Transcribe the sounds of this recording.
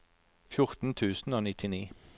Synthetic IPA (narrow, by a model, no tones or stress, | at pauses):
fjʊʁt̪n̩t̪ʰʉːsn̩oːnɪt̪ʰɪniː